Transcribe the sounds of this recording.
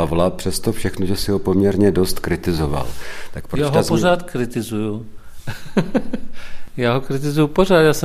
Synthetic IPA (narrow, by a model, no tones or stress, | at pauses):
avlapr̝̥ɛst̪ofʃɛxnoʒɛsɪɦopomɲɛɾɲɛdo̞st̪kɾɪt̪ɪzova̰lt̪akpɾjojaːɦasporaːt̪kɾɪt̪ɪzuju | jaːɦokɾɪt̪̬ɪzujuporaːt̪jaːsɛ